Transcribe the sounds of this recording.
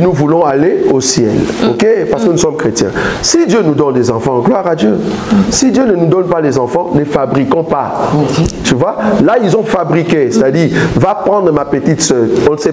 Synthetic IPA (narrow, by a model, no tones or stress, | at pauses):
nuvulɔ̃aleosjɛ̰lokepaʁsə̥kənusɔmkχet̪jɛ̰̃sid̪jønud̪ɔnd̪ɛzɑ̃fɑ̃ɡlwaʁad̪jø | sid̪jønənud̪ɔnpalɛzɑ̃fɑ̃nəfabʁikɔ̃pa | t̪yvwalailzɔ̃fabʁikesɛt̪ad̪iʁvapχɑ̃d̪ʁəmapət̪it̪sœdɔ̃nəsɛ